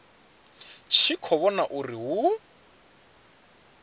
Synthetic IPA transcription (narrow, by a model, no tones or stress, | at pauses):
t͡ʃʰikʰɔβɔnaʔuriɦu